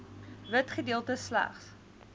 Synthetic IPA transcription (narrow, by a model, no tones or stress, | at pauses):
vətχədiəlˠtəslæ̰χs